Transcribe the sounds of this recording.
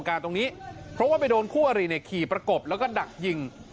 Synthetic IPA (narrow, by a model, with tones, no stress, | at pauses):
ŋkaː˧nt̪o˧ŋniː˦˥pʰɾɔ˦˥waː˥˩pa˧jdoː˧nkʰuː˥˩ʔa˧ɾiː˧˩na˧˩jkʰiː˨˩pɾa˧ko˨˩p̚lɛː˦˥wkɔː˥˩da˨˩k̚ji˧ŋ